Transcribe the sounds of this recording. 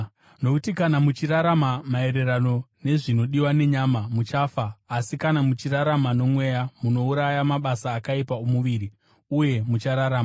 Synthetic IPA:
no̞kutikanamut͡ʃiɾaɾamamae̞ɾe̞ɾano̞ne̞ʐino̞ɗiwane̞ɲamamut͡ʃaːfaːsikanamut͡ʃiraɾamano̞mwe̞ːjamuno̞uɾajamaɓasaːkaipaomuʋiːɾi | uje̞mut͡ʃaɾaɾaːma

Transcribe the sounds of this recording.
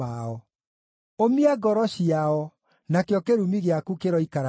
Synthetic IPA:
aɔ | omiaɡɔɾɔɕiaɔ | nakeɔkeɾumiɣeakukeɾɔikaɾ

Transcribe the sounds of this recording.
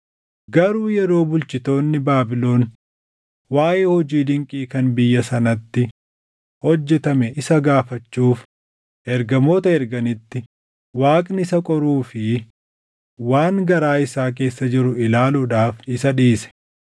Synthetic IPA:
ɡɐɾuːjɛɾo̞ːbʊlt͡ʃɪt̪o̞ːnːɪbaːbɪlo̞ːn | waːʔeːhɔd͡ʒiːd̪ɪŋkʼiːkɐnbɪjːɐsɐnɐt̪ːɪ | hɔd͡ʒːɛt̪ɐmɛɪsɐɡaːfɐt͡ʃːuːf | ʔɛɾɡɐmo̞ːt̪ɐɛɾɡɐnɪt̪ːɪ | waːkʼnɪsɐkʼɔɾuːfɪ | waːŋɡɐɾaːɪsaːk̬e̞ːsːɐd͡ʒɪɾʊɪlaːluːᶑaːfɪsɐᶑiːsɛ̥

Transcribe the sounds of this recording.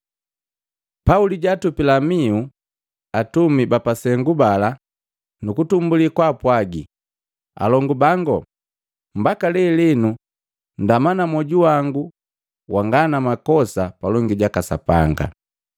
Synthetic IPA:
pauliɟatupilamiu | atumibapasɛŋɡubala | nukutumbulikwaːpwaɡḭ | a̰lɔŋɡubaŋɡɔ̰ | mbakalɛlinu | ndamanamɔɟuwaŋɡu | wʔaŋɡanamakɔsapalɔŋɡiɟakasa̰pa̰ŋɡa̰

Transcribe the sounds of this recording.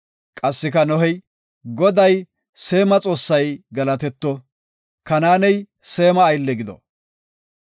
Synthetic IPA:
kʼɐsːɪkɐnɔɦɛj | ɡɔd̪ɐj | se̞ːmɐt͡sʼo̞ːsːɐjɡɐlɐt̪ɛt̪ːɔ | kɐnaːnɛj | se̞ːmɐːjlːɛɡɪd̪ɔ̰

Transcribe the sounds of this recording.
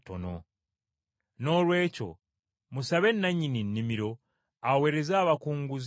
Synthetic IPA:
to̰no̰ | no̞ːlwe̞ːco̞̰ | musaβe̞nːaɲininːimiɾo̞ | awe̞ːɾe̞zaːβakuːŋɡuz

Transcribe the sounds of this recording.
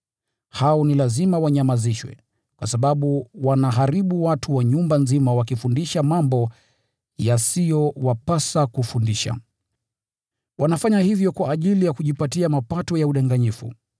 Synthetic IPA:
haɔnilazimawaɲamaziʃwɛ̰ | kwasaɓaɓuwanaɦaɾiɓuwatuwaɲumbanzimawakifundiʃamambɔ | jasijɔwapasakufundiʃa̰ | wanafaɲahivjɔkwaːʄilijakuʄipatiamapatɔjauɗaŋɡaɲifṵ

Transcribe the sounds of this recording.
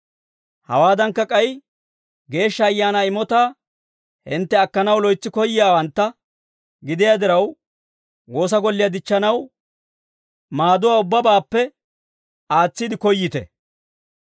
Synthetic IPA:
hɐ̰waːd̪ɐŋkːɐkʼɐj | ɡe̞ːʃːɐːjːaːnaɪmɔt̪aː | hɪnt̪ːɛɐkːɐnɐwlɔjt͡sːɪkɔjːɪjaːwɐnt̪ːɐ | ɡɪd̪ɪjad̪ɪɾɐw | wo̞ːs̬ɐɡɔlːɪjad̪ɪt͡ʃːɐnɐw | maːd̪ʊwaːʊbːɐbaːpːɛ | aːt͡sːɪd̪ɪkɔjːɪt̪ɛ̰

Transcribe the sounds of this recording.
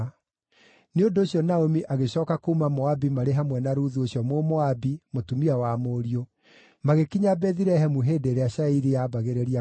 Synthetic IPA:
neondoːɕjɔnaomiʔaɣeɕɔːkakoumamɔabimaɾeɦamwɛnaɾuðuoɕjɔmomɔabimotumiawamoːɾio | maɣekiɲabɛðiɾɛɦɛmuɦeːdeɾeaɕaiɾiaːbaɣeɾɛɾia

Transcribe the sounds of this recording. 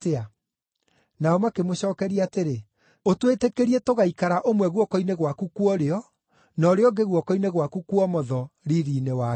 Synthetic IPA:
tea | naɔmakemoɕɔːkɛɾiateɾe | otwetekeɾiɛtoɣaikaɾaʔomwɛɣwɔkɔineɣwakukwɔɾeɔ | nɔɾeɔɡeɣwɔkɔineɣwakukuɔmɔðɔɾiɾinewa

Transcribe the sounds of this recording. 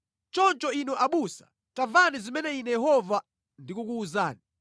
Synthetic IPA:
t͡ʃɔnt͡ʃɔinɔʔaɓusḁ̰ | tavanizimɛnɛinɛjɛɦɔva | ndikuk̬uːzaːni

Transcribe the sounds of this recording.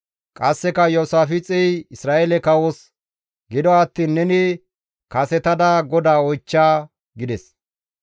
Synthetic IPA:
kʼɐsːɛkɐjɔsaːfɪt͡sʼɛjɪsɾaːʔelɛkɐwɔs | ɡɪd̪ɔɐt̪ːiːnːɛnɪ | kɐsɛt̪ɐd̪ɐɡɔd̪aːɔjt͡ʃːaː | ɡɪd̪ɛs

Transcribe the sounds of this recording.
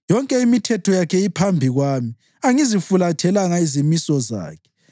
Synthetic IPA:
jɔŋkʼɛimitʰɛtʰɔjakʰɛipʰambʱiɣwaːmi | aŋizifulatʰɛlaŋaizimisɔza̰ːkʰɛ̥

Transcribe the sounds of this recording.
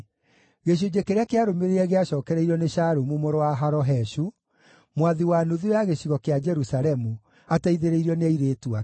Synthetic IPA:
ɣeɕ̬od͡ʑekeɾeakeaɾomeɾeɛɣeaʃɔːkɛɾɛiɾɔneɕaɾomumoɾowaɦaɾɔɦɛʃu | mwaðiwanoðiweaɣeɕiɣɔkead͡ʒɛɾusaɾɛmu | ataiðeɾeiɾɔneaiɾetua

